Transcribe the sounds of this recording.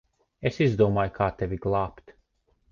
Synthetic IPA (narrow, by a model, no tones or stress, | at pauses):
esizd̪uɔmaːjkʰaːt̪evʲiɡlˠaːpt̪